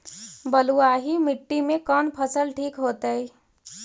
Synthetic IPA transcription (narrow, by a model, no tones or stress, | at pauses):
bəluaɦimɪʈːimẽkənpʰəsəlʈʰiːkɦot̪əi